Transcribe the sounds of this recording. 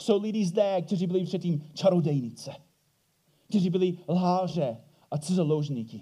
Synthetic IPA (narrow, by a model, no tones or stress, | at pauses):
sowlɪdiːzdɛːk̚t̪ɛriːbɪlɪpr̥ɛt̪̚cʲːiːmt͡ʃaɾodɛjnɪt͡sɛ | k̚t̪ɛriːbɪlɪlɦaːr̝ɛ | ʔasɪzalowʒɲikɪ